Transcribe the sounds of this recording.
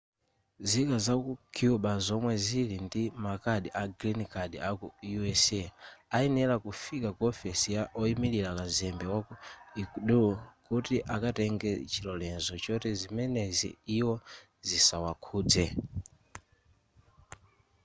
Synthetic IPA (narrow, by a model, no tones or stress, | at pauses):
zikazakukʰiuɓazɔmwɛzilindimakaɗiʔaɡɾinkʰaɗḭakujuɛsɛainɛlakufikakɔfɛsijaʔɔimiliɾakazɛmbɛwakuikuɗukutiʔakatɛŋɡɛt͡ʃilɔlɛnzɔt͡ʃɔtɛzimɛnɛzḭːwɔ | zisawakʰuːd͡zɛ